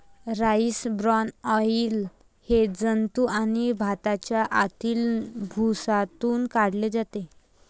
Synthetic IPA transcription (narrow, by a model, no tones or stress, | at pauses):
ɾaisbɾɔnɔiːl | hed͡zənt̪uʔañibʱat̪at͡ɕjaʔat̪iːlbʱusat̪uːnkaɽled͡zat̪e